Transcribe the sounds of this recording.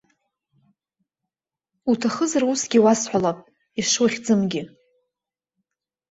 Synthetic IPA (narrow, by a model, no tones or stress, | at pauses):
utʰaχəzarusɡʲiwasħʷalapʼ | iʂwaχʲd͡zɨmɡʲɪ